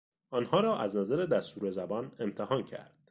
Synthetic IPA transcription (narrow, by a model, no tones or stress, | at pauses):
ʔɒːnhɒːɾɒːʔæznæzæɾed̪æst̪uːɾe̞zæbɒːne̞mt̪ʰehɒːncʰæ̰ɾd̪̥